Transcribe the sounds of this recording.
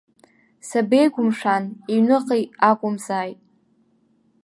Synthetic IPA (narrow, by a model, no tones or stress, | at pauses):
sabejɡʷʊmʂaniɥnɨqʼijakʷʼʊmzaːjtʼ